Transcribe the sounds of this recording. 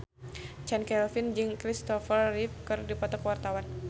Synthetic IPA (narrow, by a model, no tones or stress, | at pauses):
t͡ʃɛnkɛlfind͡ʒɨŋkɾist̪ɔfərːifkɨrdipɔt̪ɔkəwart̪awan